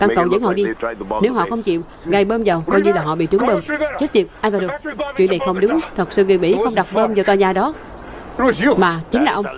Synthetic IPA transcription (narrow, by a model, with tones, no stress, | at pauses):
kaː˧ŋkə˨wzə̰˧˥˦ŋhɔ̰˧˨ɗi˧ne˨˦wɦɔ̰˧˨xə˧wŋ͡mt͡ɕḭ˧˨w | ɣa˨˩jɓəː˧mzə˨˩wkɔ˧jɲɨ˧laː˨˩ɦɔ̰˧˨ɓḭ˧˨t͡ɕɨ˨˦ŋɓəː˧mt͡ɕe˦˥t̚ɲi˨˩p̚ʔaː˧jvaː˨˩ɗo˨˩t͡ɕwḭ˧˨nːa˨˩xə˧wŋ͡mɗʊ˨˦ŋ͡mt̪ʰə˨˩k̚sɨ̰˧ŋwi˨˩ɓḭ˧˥˩xə˧wŋ͡mɗa˨˩k͡p̚ɓəː˧mzə˨˩t̪aː˧˩ɲaː˨˩ɗɔ˨˦ | o˧˩i˧maː˨˩t͡ɕï˨˦ŋlaː˨˩ʔə˧wŋ͡m